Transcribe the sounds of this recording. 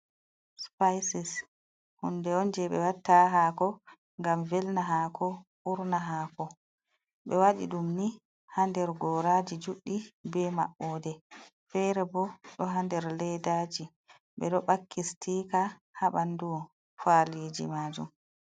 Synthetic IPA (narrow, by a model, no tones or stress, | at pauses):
spajsis | hundɛɔnd͡ʒɛɓɛ̰watːaɦakɔ | ŋɡamvɛlnaɦakʰɔʔuɾnaɦakɔ | ɓɛwaɗḭɗumni | handɛɾɡɔːɾad͡ʒid͡ʒuɗːibɛma̰ɓːɔdɛ | fɛɾɛbɔɗɔɦandɛɾlɛjdaːd͡ʒi | ɓɛ̰ɗɔɓakʰːistiːka | haɓandu | faliːd͡ʒḭmaːd͡ʒṵm